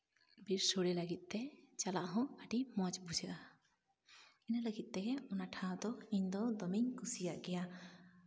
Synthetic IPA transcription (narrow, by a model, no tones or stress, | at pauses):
biɾsoɽɛlaɡit̪̚ˀt̪ɛt͡ʃalaʔɦɔ̃əɖimɔt͡ʃbud͡ʒaʔa | inaləɡit̪̚ˀt̪ɛɦɛɔnaʈʰawd̪ɔiɲd̪ɔd̪ɔmiɲkusijaʔɡɛja